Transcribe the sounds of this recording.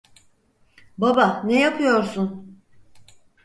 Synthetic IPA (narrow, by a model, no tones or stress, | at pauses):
babanejapʰɯjo̞ɾsun